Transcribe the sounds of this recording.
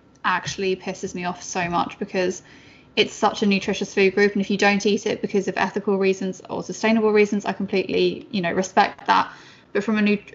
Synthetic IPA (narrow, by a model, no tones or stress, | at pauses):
ʔak̚t͡ʃuəl̩ipʰɪsɪzmiɒfsəʊmʌ̰t͡ʃb̥ɪkʰɒz̥ | ɪtsʌt͡ʃənjʉˑtʰɹ̥ɪʃəsfʉːd̚ɡɹʉˑpə̃nɪfjədə̃ʊ̃ntiˑtʰɪʔ̚b̥ɪkʰɒzəvɛ̰θɪkʰəlˠɹiːzə̃nzə̰səstẽɪ̃nəbəlˠɹiːzə̃nza̰ɪkʰə̃mpʰl̥iˑʔlijənəʊɹɪspɛk̚ða̰ʔ | b̥ʌtfɹə̃mənʉ